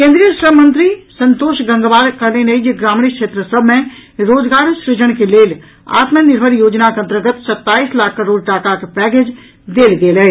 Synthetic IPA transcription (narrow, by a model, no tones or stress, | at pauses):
kẽːnd̪ɾijəʃɾəmə̃nt̪ɾisə̃nt̪oːʃɡə̃ŋɡʋaːɾkəɾneneid͡ʒeɡɾaːmɳ̃ikʃeːt̪ɾəsəbʱmẽɾoːd͡ʒɡaːɾʃɾɪd͡ʒəɽ̃keleːl | a̰ːt̪mənɪɾbʱəɾjoːd͡ʒnakeənt̪əɾɡət̪sət̪ːaːiːslaːkʰːəɾoːɖʈaːkakepɛːɡeːd͡ʒ | d̪eːld̪eːlɛe